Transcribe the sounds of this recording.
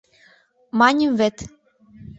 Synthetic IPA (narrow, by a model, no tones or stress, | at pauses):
mɑnʲəmvĕt̪